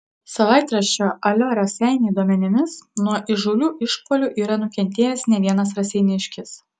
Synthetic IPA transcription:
sɐʋɑˑɪt̪ɾɐʃʲt͡ʃʲoːʔɐlʲoːɾʲɐsʲɛɪnʲeːd̪uɔmʲɛnʲɪmʲɪsnuɔʔɪʒʊlʲuːʔɪʃpoːlʲuˑʔiːɾɐnʊkʲɛnʲt̪ʲeːjɛsnʲɛʋʲiɛnɐsɾɐsʲɛɪnʲɪʃʲkʲɪs

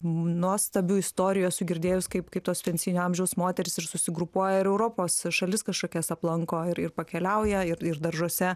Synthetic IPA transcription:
nuɔst̪ɐbʲʊɪst̪oːɾʲɪjoːsʊɡʲɪɾʲd̪ʲeːjʊskɐɪpkɐɪp̚t̪oːspʲɛnʲsʲiːnʲʊɐmʲʒʲɛʊsmoːt̪ʲɛɾʲɪsɪrsʊsʲɪɡɾʊpuɔjɛɪɾɛʊɾoːpoːsʃɐlʲɪskɐʃkoːkʲɛsɐplˠɐŋkoːɪɾɪrpɐkʲɛlʲɛʊjɛɪɾɪrd̪ɐrʒuɔsʲɛ

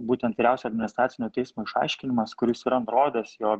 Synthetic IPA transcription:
buːt̪ʲɛnt̪ʋʲɪɾʲæʊsʲɛɐd̪ʲmʲɪnʲɪst̪ɾɑːt̪sʲɪnʲoːt̪ʲɛɪsmoːɪʃɑ̰ˑɪʃʲkʲɪnʲɪmɐskʊɾʲɪsɪɾɐnt̪ɾoːd̪ʲɛːsjoːk

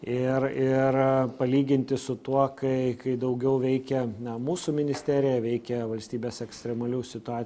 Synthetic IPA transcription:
ɪrɪrpɐlʲiːɡʲɪnʲt̪ʲɪsʊt̪uɔkɐɪkɐɪd̪ɐʊɡʲɛʊʋʲɛɪkʲɛɐmuːsumʲɪnʲɪsʲt̪ʲæːɾʲɪjɛʋʲɛɪkʲɛʋɐlʲsʲt̪ʲiːbʲeːsɛksʲt̪ʲɾʲɛmɐlʲuːsʲɪt̪ʊɑː

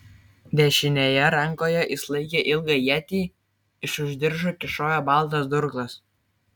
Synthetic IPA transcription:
d̪ʲɛʃʲɪnʲejɛɾɑŋkojɛʔislˠɐɪkʲeʔilˠɡɑjæt̪ʲiː | ɪʃʊʒʲd̪ʲɪɾʒokʲɪʃoːjɛbɑlˠt̪ɑsd̪uɾklˠɑs

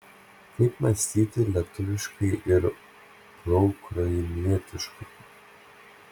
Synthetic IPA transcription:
kɐɪpmɐsʲt̪ʲiːt̪ʲɪlʲiɛt̪ʊʋʲɪʃkɐɪʔɪɾ | ɾɔʊkɾɐjmʲiɛt̪ʲɪʃkɐɪ

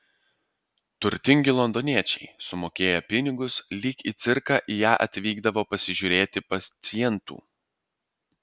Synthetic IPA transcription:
t̪ʊɾʲt̪ʲɪŋʲɡʲɪlˠɔnd̪oːnʲiɛt͡ʃʲɛɪsʊmoːkʲeːjɛpʲɪnʲɪɡʊslʲiːkiːt̪sʲɪɾkɑːʔijæːʔɐt̪ʲʋʲiːɡd̪ɐʋoːpɐsʲɪʒʲʊɾʲeːt̪ʲɪpɐt̪sʲɪjɛnt̪ṵː

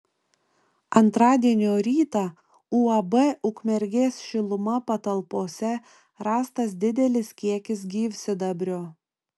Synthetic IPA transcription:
ɐnt̪ɾɑːd̪ʲiɛnʲoːɾʲiːt̪ɑ | uːɐbɛʔʊkmʲɛɾʲɡʲeːsʲʃʲɪlˠʊmɐpɐt̪ɐlˠpoːsʲɛ | ɾɑːst̪ɐs̬d̪ʲɪd̪ʲɛlʲɪskʲiɛkʲɪs̬ɡʲiːʋʲsʲɪd̪ɐbʲɾʲoː

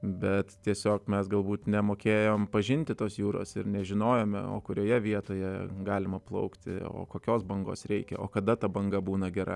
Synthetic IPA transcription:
bʲɛt̪t̪ʲiɛsʲoːkmʲɛsɡɐlˠbuːt̪nʲɛmoːkʲeːjoːmpɐʒʲɪnʲt̪ʲɪt̪oːsjuːɾo̰ːsɪɾnʲɛʒʲɪnoːjoːmʲɛ̰o̰ːkʊɾʲoːjɛʋʲiɛt̪oːjɛɡɑːlʲɪmɐplˠɐ̰ʊkt̪ʲɪ̰o̰ːkoːkʲoːsbɐŋɡo̰ːsɾʲɛɪkʲɛ̰o̰ːkɐd̪ɐt̪ɐbɐŋɡɐbuːnɐɡʲɛɾɐ̰

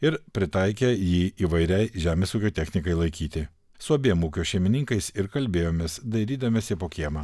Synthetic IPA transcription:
ɪɾpʲɾʲɪt̪ɐɪkʲejiːiːʋɐɪɾʲɛɪʒʲæːmʲeːsuːkʲoːt̪ʲɛxʲnʲɪkɐɪlˠɐɪkʲiːt̪ʲɪ | sʊɐbʲeːmuːkʲoːʃʲɛɪmʲɪnʲɪŋkɐɪsɪɾkɐlʲbʲeːjoːmʲeːsd̪ɐɪɾʲiːd̪ɐmʲeːsʲɪpoːkʲeɛmɐː

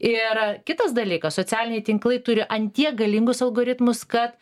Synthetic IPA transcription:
ɪɾkʲɪt̪ɐsd̪ɐlʲiːkɐssoːt͡sʲæːlʲɪnʲɛɪt̪ʲɪŋklˠɐɪt̪ʊɾʲɪʔɐnʲt̪ʲiɛɡɐlʲɪŋɡʊsɐlˠɡoːɾʲɪt̪mʊskɐt̪

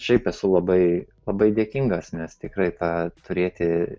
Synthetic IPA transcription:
ʃʲɛɪpɛsʊlˠɐbɐɪlˠɐbɐɪd̪ʲeːkʲiŋɡɐsnʲɛst̪ʲɪkɾɐɪt̪ɑːt̪ʊɾʲeːt̪ʲɪ

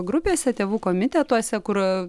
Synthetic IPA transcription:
ɡɾʊpʲeːsʲɛt̪ʲeːʋuːkoːmʲɪt̪ʲɛt̪uɔsʲɛkʊɾ

